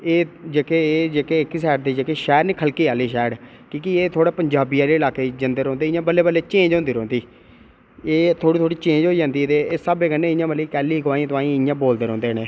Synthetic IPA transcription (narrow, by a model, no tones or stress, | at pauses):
eːd͡ʒeːkeːd͡ʒeːkeːɪksɛːʈd̪iːd͡ʒeːkeːʃɛːɾniːkʰəlkiːaːliːʃɛːɖ | kĩːkieːt̪ʰoːɽaːpəɲd͡ʒaːbiːaːleːlaːkeːd͡ʒənd̪əːɾõːnd̪eːɪjãːbəlːeːbəlːeːt͡ʃẽːɲd͡ʒõːnd̪iːɾõːnd̪iː | eːt̪ʰoːɽiːt̪ʰoːɽiːt͡ʃẽːɲd͡ʒɦoːid͡ʒãːnd̪iːt̪eːeːsəbeːkənːẽːɪjãːməlːiːkɛːlːiːɡʊʋaːĩt̪ʊãːĩːɪjãːboːld̪eːɾõːnd̪eːneː